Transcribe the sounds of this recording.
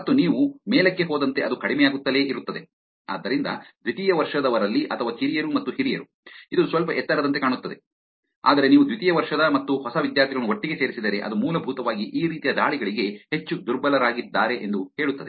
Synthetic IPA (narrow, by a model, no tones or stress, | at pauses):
mɐt̪ːuniːʋumeːlɐkːe̞ɦoːd̪ɐnt̪e̞ɐd̪ukɐɽimɛjaːɡut̪ːɐle̞ːʔiɾut̪ːɐd̪e̞ | a̰ːd̪ːɐɾind̪ɐ̰d̪ʋit̪ijɐʋɐɾʂɐd̪ɐʋɐɾɐlːiʔɐt̪ʰɐʋaːhiɾijɐɾumɐt̪ːuhiɾijɐɾu | id̪usʋɐlpɐʔɛt̪ːɐɾɐd̪ɐnt̪ekaːɳut̪ːɐd̪e̞̰ | a̰ːd̪ɐɾe̞niːʋud̪ʋit̪ijɐʋɐɾʂɐd̪ɐmɐt̪ːuhɔsɐʋid̪jaːɾt̪ʰiɡɐɭɐnuɦoʈːiɡe̞se̞ːɾisid̪ɐɾeʔɐ̰d̪umuːlɐbʱuːt̪ɐʋaːɡiʔiːɾiːt̪ijɐd̪aːɭiɡɐɭiɡe̞het͡ʃːud̪uɾbɐlɐɾaːɡid̪ːaːɾe̞ʔend̪uheːɭut̪ːɐd̪e